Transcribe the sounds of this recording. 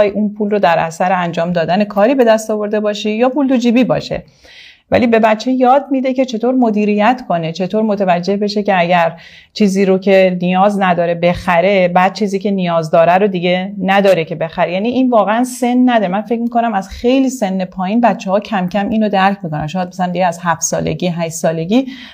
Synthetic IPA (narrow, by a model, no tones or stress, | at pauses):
jʔunpʰuːlrod̪æɾʔæ̰sæɾeænd͡ʒɒːmd̪ɒːd̪ænekʰɒːɾiːbe̞d̪æst̪ɒːvo̞ɾd̪e̞bɒːʃijɒːpuld̪ud͡ʒiːbiːbɒ̰ːʃḛ | væ̰liːbe̞bæt͡ʃʰːe̞jɒːd̪̚mid̪e̞ce̞t͡ʃʰe̞t̪ʰoːɾmo̞d̪iːɾijæt̪ʰkʰo̞ne̞t͡ʃʰe̞t̪ʰoːɾmot̪ʰevæd͡ʒːe̞hbe̞ʃece̞æɟæɾ | t͡ʃʰiːziːɾocʰenijɒːznæd̪ɒːɾe̞be̞xæɾe̞bæd̪̥̚t͡ʃʰiːziːce̞nijɒːzd̪ɒːɾæɾod̪iɟenæd̪ɒːɾecʰe̞be̞xæɾejæːniʔiːnvɒːɣeænse̞nːæd̪ɒːɾemænfe̞cmiko̞næmæz̥xejliːse̞nːe̞pʰɒːjiːnbæt̪t͡ʃʰːehɒːcʰæmcʰæmʔiːnod̪æɾcʰmikonæ̰mʃoːjæd̪̚mæsælæmd̪iɡɟeæz̥hæft̪sɒ̰ːlḛɟiːɦæʃsɒːle̞ɟʲiː